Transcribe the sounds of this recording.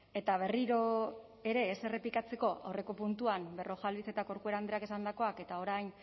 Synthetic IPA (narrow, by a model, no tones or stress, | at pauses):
e̞t̪aβ̞e̞riɾo̞ | e̞ɾe̞ːse̞re̞pikat͡se̞ko̞a̰wre̞ko̞punt̪uambe̞ro̞ʝalβise̞t̪ako̞ɾkue̞ɾand̪ɾeakesand̪ako̞ake̞t̪ao̞ɾajn